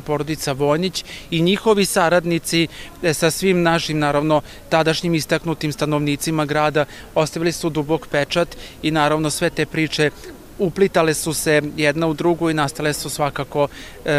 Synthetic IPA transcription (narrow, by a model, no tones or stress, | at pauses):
po̞ːɾod̪it̪saʋo̞ːjnit͡ɕiɲixo̞ʋisaɾad̪nit̪sisasʋimnaʃimnaːɾaʋno̞ | t̪ad̪aʃɲimist̪aknut̪imst̪ano̞ʋniːt̪simaɡɾaːd̪a | o̞st̪aʋilisud̪ubo̞kpet͡ʂat̪inaːɾaʋno̞sʋe̞t̪e̞ːpɾiːt͡ʂe̞ | uplit̪ale̞suse̞jɛd̪naud̪ɾuɡuinast̪alesusʋakaːko̞